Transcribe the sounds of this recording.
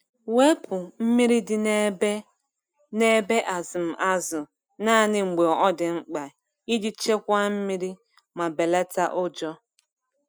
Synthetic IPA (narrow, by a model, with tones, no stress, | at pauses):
we˦pʊ˨m̩˦mi˦ɾi˦dɪ˨n˦ | ne˦be˦ʔa˨zʊ˨m̩˨ʔa˦zʊ˨ | na˦nɪ˨ŋ͡m̩˨ɡ͡be˨ɔ˨ʔɔ˦dɪ˨ŋ͡m̩˦k͡pa˨ | i˦di˦t͡ʃe˦kʷa˦m̩˦mi˦ɾi˦ | ma˨be˨le˦ta˦ʔʊ˦d͡ʒɔ˦